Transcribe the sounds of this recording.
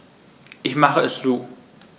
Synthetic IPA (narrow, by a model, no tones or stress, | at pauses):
ʔɪçmaχəɛszuː